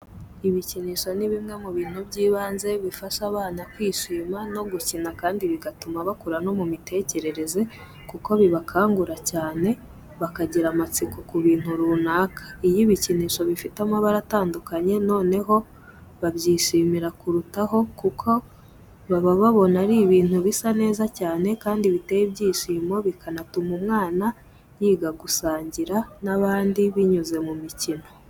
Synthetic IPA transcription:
iβiciniʃo̞niβimŋe̞muβiːn̥hubɟiːβaːnze̞βifaʃaβaːnakwiːʃiːmano̞ɡucinakaːndiβiɡatumaβakuɾano̞mumite̞ce̞ɾe̞ɾe̞ze̞ | kuko̞βiβakʰaːŋɡuɾacaːne̞ | βakaɟiɾamat͡sikukuβiːn̥huɾuːnaːkḁijiβiciniːʃo̞βifitamaβaɾataːndukaɲe̞no̞ːne̞ɦo̞ | βabɟiːʃiːmiɾakuɾutaɦo̞kukʰo̞ | βaβaβaβo̞naɾiβiːn̥huβisane̞ːzacaːne̞kaːndiβite̞jibɟiːʃiːmo̞βikanatumumŋaːna | jiːɡaɡusaːɲɟiɾanaβaːndiβiɲuze̞mumicino̞

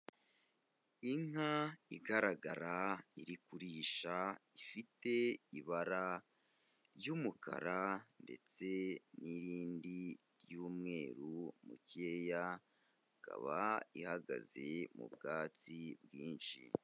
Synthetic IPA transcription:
iŋaiɡaɾaɡaɾaiɾikuɾiːʃaifite̞iβaɾa | ɾjumukʰa̰ɾande̞̰t͡se̞niɾiːndi | ɾjuːmŋe̞ːɾumṵce̞ja | ɡa̰βaihaɡa̰ze̞mṵbɡaːt͡sibɡiːnʃḭ

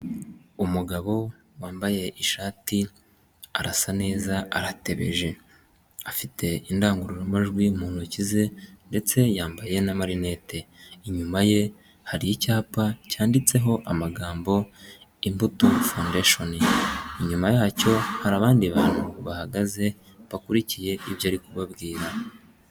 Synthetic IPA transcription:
umuɡaβo̞ | waːmbaje̞ʔiʃaːti | aɾasane̞ːzaa̰ɾate̞βe̞̰ʒe̞ | afitʰe̞indaːŋɡuɾuɾomaʒɡwiumuːn̥hucize̞nde̞t͡se̞jaːmbaje̞namaɾine̞ːte̞iɲumaje̞ | haɾijicaːpacaːndit͡se̞ɦo̞ʔamaɡaːmbo̞imbutofandeʃoniiɲumajaːco̞haɾaβaːndiβaːnuβahaɡaze̞ | βakuɾicije̞ʔiβjaːɾikuβabɡiːɾa

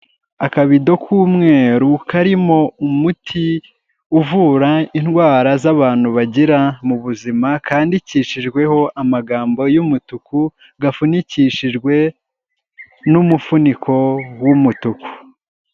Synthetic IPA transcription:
akaβido̞kʰuːmŋe̞ːɾukʰaɾimo̞umutʰi | uvuːɾainhɡwaːɾazaβaːn̥huβaɟiɾamuβuzimakaːndiciːʃiʒɡwe̞ho̞ʔamaɡaːmbo̞jumutuku | ɡafuniciʃiʒɡwe̞ | numufunikʰo̞wumutuku̥

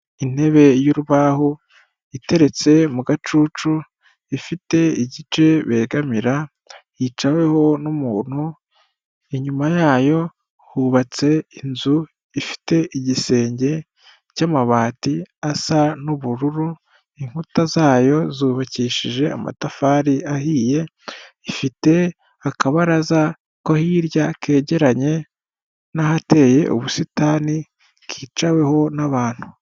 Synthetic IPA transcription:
in̥e̞βe̞juɾuβaho | ite̞ɾe̞t͡se̞muɡat͡ʃuːt͡ʃu | ifite̞iɟit͡ʃe̞βe̞ːɡamiɾa | it͡ʃawe̞ho̞numuːn̥hu | iɲumajaːjo̞ | huβat͡se̞inzu | ifi̥te̞ʔiɟise̞ːɲɟe̞ | camaβaːtiasanuβuɾuɾu | iŋ̥hutazaːjo̞zuːβaciʃiʒe̞a̰ma̰tafaːɾiahiːje̞ | ifite̞ | akaβaɾaza | kohiːɾjakʰe̞ːɟe̞ɾaɲe̞ | nahate̞ːje̞̰ʔṵβusitaːni | kʰiːt͡ʃawe̞ho̞naβaːn̥hu̥

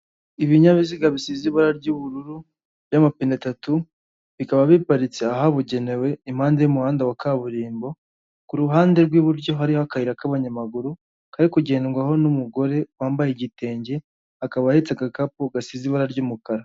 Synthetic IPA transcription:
iβiɲaβiziɡaβisiziβaɾaɾɟuβuɾuɾu | βjamapinetatu | βikaβaβipaɾit͡seaɦaβuɟe̞ne̞we̞im̥haːndejumuhaːndawakaβuɾiːmbo̞ | kuɾuɦaːnde̞ɾɡwiβuɾɟo̞ɦaɾihoakahiɾakaβaɲamaɡuɾu | kaɾikuɟe̞ːnŋɡwaɦo̞numuɡo̞ɾe̞waːmbajeɟite̞ːɲɟe̞ | akaβahit͡saɡakapuɡasiziβaɾaɾɟuːmukaɾa

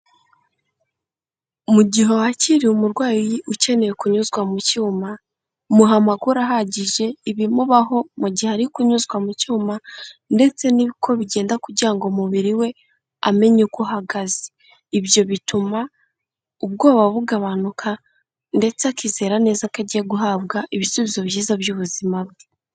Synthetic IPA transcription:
muɟiɦo̞haciɾiumuɾɡwaːjjiʔuce̞ne̞jekuɲuzɡwamucuːma | muɦamaɡuɾaɦaɟiʒe̞iβimuβaɦo̞muɟiheaɾikuɲuzɡwamucuːmande̞t͡se̞niβikʰo̞βiɟe̞ːndakuɟiaŋɡomuβiɾiwe̞ | a̰me̞ɲukuɦaɡazeː | βjo̞βituma | ub̚ɡo̞ːβaβuɡaβanukʰa | nde̞t͡sakize̞ːɾane̞ːzakaɟijeɡuɦaːbɡaʔiβisuβizo̞βiʒiːzabjuːβuzimab̚ɡe

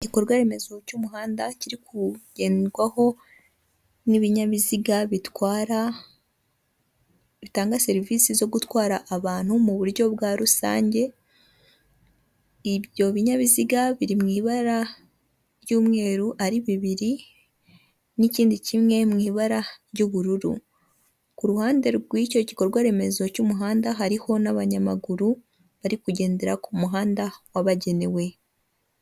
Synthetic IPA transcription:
ikoɾɡwaɾe̞me̞zo̞cuːmuɦaːndaciɾikuɟ̥e̞ːnɡwaho̞ | niβiɲaβiziɡaβitwaːɾa | βitaːŋɡase̞ɾiviːsizo̞ɡutwaːɾaʔːβaːn̥humuβuɾjo̞bɡaːɾusa̰ːɲɟe̞ | iβjo̞βiɲaβiziɡaβiɾimŋiːβaɾa | ɾjuːmŋe̞ːɾuʔaɾiβiβiɾi | niciːndicimŋe̞mŋiːβaɾaɾɟuβuɾuɾṵ | kuɾuhaːnde̞ɾɡwico̞ɟiko̞ɾɡwaɾe̞me̞zo̞cumuɦaːndaɦaɾiho̞naβaɲamaɡuɾu | βaɾikuɟe̞ːnde̞ɾakumuɦaːndawaβaɟe̞ne̞we̞

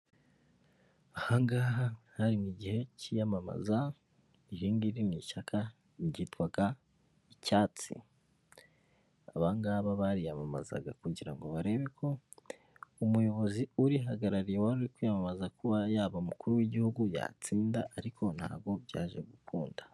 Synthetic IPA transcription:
ahaŋɡaːɦahaɾimiɟihe̞cijamama̰za | iɾiːŋɡiɾiniʃakʰa | ɟitwaɡa | icaːt͡sḭ | aβaŋɡaːβaβaɾijamama̰za̰ɡa̰kuɟiɾa̰ŋɡo̞βaɾe̞ːβekʰo̞ | umujo̞βo̞ziuɾiɦaɡaɾaɾijewaɾuɾikwijamamazakuβajaːβaumukuɾuwiɟihuɡuja̰t͡siːndaʔaɾikʰo̞nha̰ːb̚ɡo̞bɟa̰ːʒe̞ɡukuːnda

